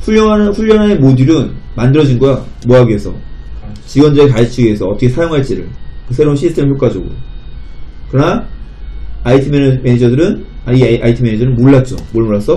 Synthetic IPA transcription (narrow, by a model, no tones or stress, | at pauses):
ɸuʎːʌŋanɯɸuʎːʌnɦanemodiɾɯnmandɯɾʌd͡ʑinɡʌja | moɦaɡiesʰʌ̰ | t͡ɕiɡwʌndɯɾekaɭt͡ɕ͈ʰiɡiesʰʌʌt͈ʌkʰesʰajoŋɦaɭt͡ɕ͈iɾɯ̰ɭkɯsʰe̞ɾounɕʰisʰt͈ʰe̞mɯɭçʰjoɭk͈ad͡ʑoɡo̰j̰ | kɯɾʌna | aitʰɯmemeed͡ʑʌdɯɾɯnaiʔaitʰɯmened͡ʑʌnɯnmoɭːat̚t͡ɕ͈o̰moɭmoɭːasʰʌ